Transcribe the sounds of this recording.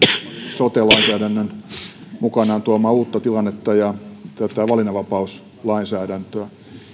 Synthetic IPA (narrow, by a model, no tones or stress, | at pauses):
sot̪elɑinsæːɾænːønmukɑnɑːnt̪uɑmɑːuːt̪ːɑt̪ilɑnːet̪ːɑjɑt̪æt̪æʋɑlinɑʋɑpɑus | lɑinsæːdænt̪øæ